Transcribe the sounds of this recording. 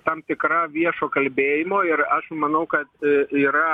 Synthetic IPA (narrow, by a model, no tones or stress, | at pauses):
t̪ɐmt̪ʲɪkɾɑːʋʲiɛʃoːkɐlʲbʲeːjɪmoːɪɾɐʃmɐnɐʊkɐt̪iːɾɐ